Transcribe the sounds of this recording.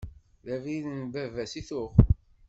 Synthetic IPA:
ðæviðnvævæsiθʊχ

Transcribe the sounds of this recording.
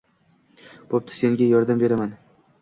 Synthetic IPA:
bʰop̚t̪ʰɪ̥se̞ŋɡʲajɒɾd̪ambe̞ɾaman

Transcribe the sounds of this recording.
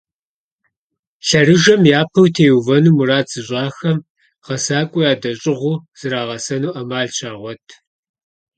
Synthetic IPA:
ɬɐrɨʒɐmjaːpʰɐwtʰeːjuvɐnuːmuraːt͡sʼɨɕʼɑːxɐm | ʁɐsaːkʷʼʊjaːdɐɕʼɪʁʷʊːz̥ɨɾaːʁɐsɐnuːʔɐmaːɮt͡ʃʰaːʁʷɔtʰ

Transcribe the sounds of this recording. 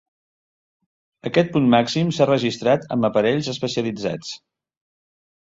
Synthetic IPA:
əkɛt̪̚punmaksimsarəʒist̪ɾat̪ə̰mbəpəɾɛʎzəspəsiəlid͡za̰t͡s

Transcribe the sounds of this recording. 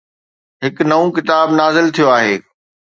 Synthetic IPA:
ɦɪknɐõkɪt̪aːbnaːzɪlt̪ʰijoaːɦeː

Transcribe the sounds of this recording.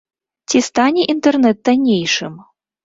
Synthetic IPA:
t͡sʲist̪anʲɛʔint̪ɛrnɛt̪̚d̪anʲejʂɨm

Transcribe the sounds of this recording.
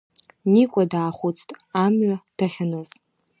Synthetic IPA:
nikʷʼadaːχʷʊt͡sʰtʼamɥad̥aχʲanɨz

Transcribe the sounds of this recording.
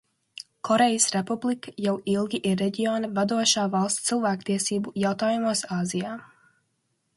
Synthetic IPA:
kʰɔɾejəsɾepublˠikə̥jawilˠɡʲiʔiɾːeɟiɔːnɐvad̪uɔʃaːvalˠst̪silˠvæːkt̪iɛsiːbujawt̪aːjumuɔsaːzijaː

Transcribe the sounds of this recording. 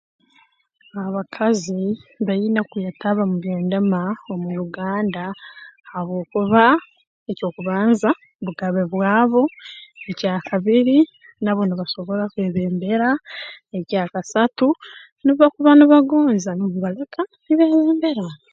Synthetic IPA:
aβakʰaziβajinakujataβamuβjeːndamaomujuɡaːndahaβo̞ːkuβa | eco̞ːkuβaːnza | βuɡaβe̞βwaːβo̞ecaːkʰaβiɾi | naβo̞niβaso̞βo̞ɾakweːβeːmbe̞ɾaecaːkasatu | niβakuβaniβaɡoːnzanoβuβalakaniβeːβeːmbe̞ɾa

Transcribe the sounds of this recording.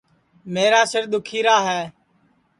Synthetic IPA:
meːɾaːsɪɾd̪ʊkʰiːɾaːɦɛː

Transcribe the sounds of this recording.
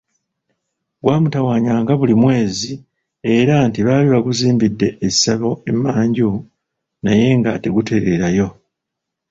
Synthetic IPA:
ɡwaːmutawaːɲaːŋɡaβulimwe̞ːzi | e̞ɾantiβaːliβaɡuziːmbidːe̞ːsaβo̞emːaːɲɟu | naje̞ŋɡa̰te̞ɡute̞ɾe̞ɾajo̞

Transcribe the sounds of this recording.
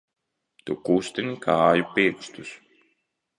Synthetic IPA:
t̪ukust̪enʲikʰaːjupiːkst̪us

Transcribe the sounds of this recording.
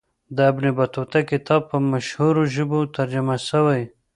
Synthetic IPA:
d̪əabnebat̪ot̪akɪt̪ʰɑb̚pːəmaʃhuɾoʒəbot̪aɾd͡ʒamasəwaj

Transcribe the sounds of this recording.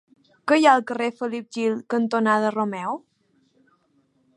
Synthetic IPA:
kəjaəlˠkərefəlip̚ʒilkənt̪onaðəromɛw

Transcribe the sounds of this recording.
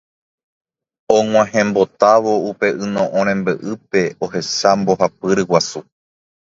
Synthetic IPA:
õŋ̃ʷãhẽmbo̞t̪aʋo̞upe̞ʔɨnõʔõɾ̃ẽmbɨʔɨpe̞ohe̞sambo̞ɦapɨɾɨwasu

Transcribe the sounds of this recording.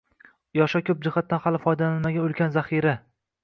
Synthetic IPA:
jɒʃakʲʰɵp̚d͡ʒɪχat̪ːanχalɪfɒjd̪alanmaɡʲaolkʲʰanzaχiɾa

